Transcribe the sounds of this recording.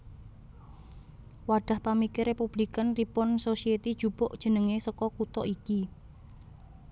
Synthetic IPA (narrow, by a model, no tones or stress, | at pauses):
waɖ̥a̤hpamikɪɾepub̥likənripɔnsosiet̪id̥ʒ̥ub̥ʊʔd̥ʒ̥ə̤nəŋesɔkɔkut̪ɔʔiki